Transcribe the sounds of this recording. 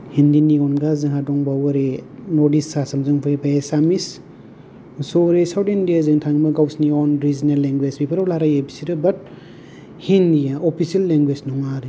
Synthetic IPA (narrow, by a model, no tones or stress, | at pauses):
hindiniɔnɡazɯŋɦadɔŋbawɐɾenɔdisːasamzɯŋpʰɯbaesamis | sɔɾesawtindijazɯŋtʰaŋbaɡawsniɔnɾizinalːeŋɡwezbipʰaɾawlaɾajebisiɾɯbɐt̚ | hindijaopʰisialːeŋɡweznɔŋaɾi